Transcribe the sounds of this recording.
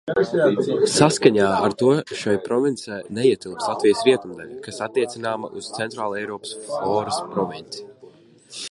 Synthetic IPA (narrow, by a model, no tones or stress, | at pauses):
saskaɲaːaɾt̪uɔʃajpɾɔvint̪sajnɛiɛt̪ilˠpslˠat̪vijsɾiɛt̪umd̪ɛ̰lʲkasat̪ːiɛt̪sinaːmɐ̰ʔuz̥t̪sɛnt̪ɾaːlˠɛjɾɔːpsɔːɾɨspɾɔvint̪si̥